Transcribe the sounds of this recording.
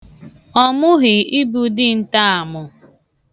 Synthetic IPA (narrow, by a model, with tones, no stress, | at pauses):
ɔ˦mʊ˦ɣɪ˨i˦bu˨dɪ˦n̩˦ta˦a˨mʊ˨